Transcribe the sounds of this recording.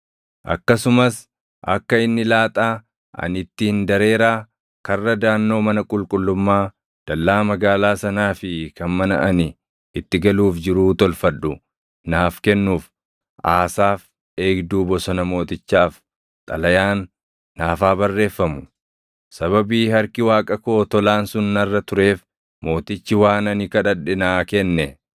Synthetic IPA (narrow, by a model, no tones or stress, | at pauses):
ʔɐ̰kːɐsʊmɐs | ʔɐ̰kːɐɪnːɪlaːt̪ʼaː | ʔɐ̰nɪt̪ːɪɪnd̪ɐɾe̞ːɾaː | kɐrːɐd̪aːnːo̞ːmɐnɐkʼʊlkʼʊlːʊmːaː | d̪̥ɐlːaːmɐɡaːlaːsɐnaːfɪkɐnmɐnɐ̰ʔɐnɪ | ɪt̪ːɪɡɐluːfd͡ʒɪɾuːt̪ɔlfɐᶑʊ | naːfkɛnːuːf | ʔaːsaːf | e̞ːɡd̪uːbɔsɔnɐmo̞ːt̪ɪt͡ʃːaːf | t̪ʼɐlɐjaːnː | aːfaːbɐrːe̞ːfːɐmʊ | sɐβɐbiːhɐɾkɪwaːkʼɐko̞ːt̪ɔlaːnsʊnːɐrːɐt̪ʊɾe̞ːf | mo̞ːt̪ɪt͡ʃːɪwaːnɐnɪkɐᶑɐᶑɪnaːkɛnːɛ